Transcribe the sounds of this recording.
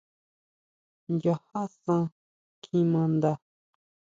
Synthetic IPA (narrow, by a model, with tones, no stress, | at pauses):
ja˨ha˦sã˧ | kʰĩ˧mã˧nd̪a˧